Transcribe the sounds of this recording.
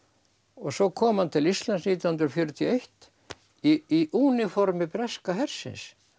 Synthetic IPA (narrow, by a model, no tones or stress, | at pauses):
ɔɣsɔkʰɔːmant̪ʰɪlist̪lansniːt̪jannd̪ɾɔfjœɾt̪ʰjɔejht̪ | iiʔunɪfɔɾmɪpɾɛskaɦɛɾ̥sɪ̰ns